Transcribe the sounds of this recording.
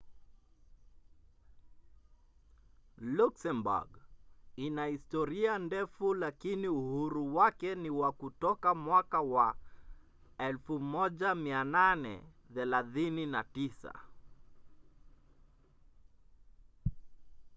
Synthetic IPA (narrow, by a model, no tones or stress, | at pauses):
luksɛmbṵɡinahistɔɾiandɛfulakiniuhuɾuwakɛniwakutɔkamwakawa | ɛlfumɔʄamiananɛ̰ | θɛlaθininatisa̰